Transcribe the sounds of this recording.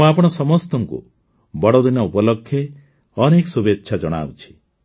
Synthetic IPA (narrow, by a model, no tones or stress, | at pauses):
ũapɔɽ̃ɔsɔmɔst̪ɔŋkṵ | bɔɽod̪inɔupɔlɔkʰːje | ɔnekɔsubetːʃʰad͡ʒɔɽ̃a̰ut͡ʃʰi̥